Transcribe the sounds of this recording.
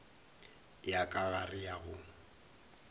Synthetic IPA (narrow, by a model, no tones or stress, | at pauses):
jakʼaɣarɪjaɣʊ